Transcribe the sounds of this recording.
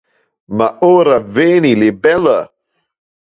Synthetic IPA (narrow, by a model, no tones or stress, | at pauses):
maʔoːɾaveːnilebɛlə